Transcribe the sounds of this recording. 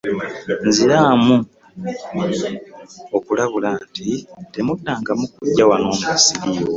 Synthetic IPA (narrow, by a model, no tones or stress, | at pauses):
nziɾaːmu | o̞kulaβulantite̞mudːaːŋɡamukuɟːawano̞ːmusiɾijo